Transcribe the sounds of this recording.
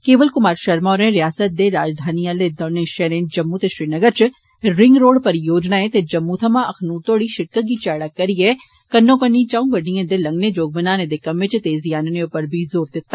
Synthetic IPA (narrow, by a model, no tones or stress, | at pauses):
keːʋəlkʊmaːɾʃɐɾmaːɾẽɾɪjaːsət̪̚d̪eɾaːd͡ʒd̪ʱaːnialed̪ɔnẽʃɛɾẽːnd͡ʒɐmːut̪eʃɾinɐɡəɾt͡ʃ | ɾɪ̃ŋɡɾoːɽpɐɾjoːd͡ʒnaːẽt̪ed͡ʒɐmːut̪ʰɐmãɐkʰnuːɾt̪oːɽiʃɪʈ̚kəɡit͡ʃaːɽakɐɾije | kɐnːõːkɐnːĩt͡ʃaũɡɐɖĩẽd̪elɐ̃ŋɡnẽd͡ʒoːɡ̚bɐnaːnẽd̪ekɐmẽt͡ʃt̪eːzijaːneneʊpəɾbʱizoːɾd̪ɪt̪ːa